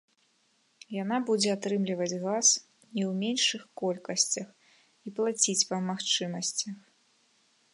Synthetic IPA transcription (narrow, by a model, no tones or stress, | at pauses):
janabud͡zʲɛat̪ɾɨmlʲivɐd͡zʲɣas | nʲiwmʲenʂɨxkɔlʲkɐsʲt͡sʲɐx | iplˠat͡sʲit͡sʲpɐmaxt͡ʂɨmɐsʲt͡sʲɐx